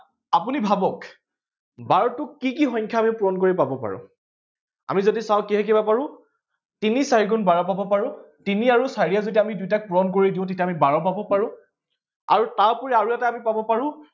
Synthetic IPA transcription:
apunibʱabɔk | baɹtʊkːikixɔ̃jɲkʰjaːmipʊɹɔnkoɹipabɔpa̰ɹʊ̰̃ | a̰mizodisaʊ̃kiɦɛk̬ibapaɹʊ̃ | tinisaɹikʊnbaɹɔpabɔpaɹʊ̃ | tiniaɹusaɹiazodiamidujtak̚puɹɔnkoɹidiʊ̃t̬etiamibaɹɔpabɔpaɹʊ̃ | a̰ɹutaɹpɔɹiaɹuɛtɛamipabɔpaɹʊ̃

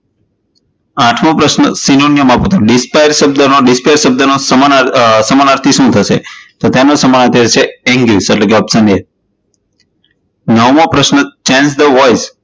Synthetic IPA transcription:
aʈʰmõpɾəʃnəsinonijəmapõt̪ʰoɖɪspajɾsəb̚d̪ənoɖɪspajɾsəb̚d̪ənosəmsəmanaɾt̪ʰiʃũt̪ʰəʃḛt̪ot̪janosəmanət̪ʰet͡ʃʰeɛ̃ŋɡliseʈlekeəpsəne | nəʋmõpɾəʃnət͡ʃɛ̃nsd̪əʋɔjz

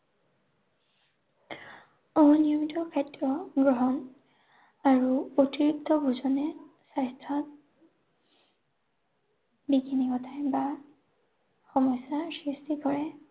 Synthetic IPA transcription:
ɔmɔnijɔmitɔkʰɛtɹɔɡɹɔɦɔn | aɹuotiɹik̚tɔbuzɔnɛ | sajstʰɔt | biɡinikɔtʰajba | xɔmɔjsasɹistiɡɔɹɛ

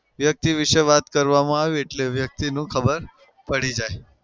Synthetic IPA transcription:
ʋjək̚t̪iʋiʃʋat̪kəɾʋamãaʋeeʈleʋjək̚t̪inũːkʰəbəɾ | pəɽ̤id͡ʒae

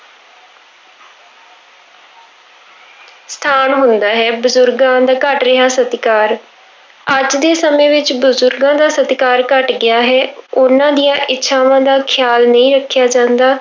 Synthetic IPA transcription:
st̪ʰaːnɦʊnd̪aːɦɛːbʊzʊɾɡãːd̪aːkəʈɾɪɦaːsət̪kaːɾ | əd͡ʒd̪eːsəmẽːʋɪt͡ʃbʊzʊɾɡãːd̪aːsət̪kaːɾkəʈɡɪjaːɦɛːʊnãːd̪ijãːʔɪtːʃʰaːʋãːd̪aːkʰɪjaːlnəĩːɾəkʰːjaːd͡ʒãːnd̪aː

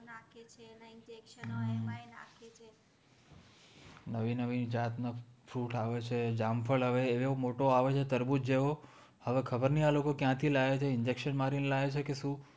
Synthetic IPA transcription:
nakʰet͡ʃʰenaiɲd͡ʒekʃəaenã̰kʰet͡ʃʰe | nəʋinəʋid͡ʒat̪nafʰɾuʈaʋet͡ʃʰed͡ʒamfʰəɭɦəʋeːʋeomoʈoaʋet͡ʃʰet̪əɾbut̪̚d͡ʒeo | həʋekʰəbəɾnialokokjãt̪ʰilaet͡ʃʰeɪɲd͡ʒekʃənmaɾinlaɦet͡ʃʰekeʃũ

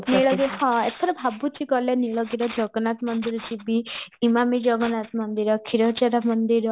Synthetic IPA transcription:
niɭɔɡiɦɔ̃et̪ʰɔɾɔbʱabut͡ʃiɡɔleniɭɔɡiɾɔd͡ʒɔɡɔnat̪mɔnd̪iɾɔt͡ʃibiimamid͡ʒɔɡɔnat̪mɔnd̪iɾɔkʰiɾɔt͡ʃaɾamɔnd̪iɾɔ

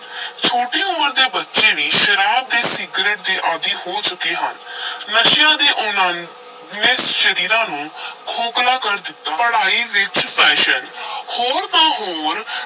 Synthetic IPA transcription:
t͡ʃʰoːʈeːʊməɾd̪eːbətːʃeːʋiːʃəɾaːb̚d̪eːsɪɡɾeːʈ̚d̪eːʔaːd̪iːhoːt͡ʃʊkeːɦə̰nnəʃɪjãːd̪eːʔʊnãː | eːsʃəɾiːɾãːnũːkʰoːklaːkəɾd̪ɪt̪ːaːəɽaːiːʋɪt͡ʃpɛːʃənhoːɾt̪ãːɦoːɾ

